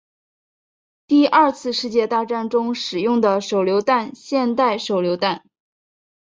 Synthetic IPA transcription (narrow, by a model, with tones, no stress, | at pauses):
t̪i˥˧ʔɐ˞˥˧t͡sʰɹ̩˥˧ʂɻ̩˥˧t͡ɕjɛ˥˧t̪a˥˧ʈ͡ʂa˥˩nʈ͡ʂʊ˥ŋʂɻ̩˨˩jʊ˥˩ŋd̪ə˩ʂo˨˩ʊljo˧˥ʊt̪a˥˧nɕjɛ˥˧nt̪a˥˩ɪʂo˨˩ʊljo˧˥ʊt̪a˥˩n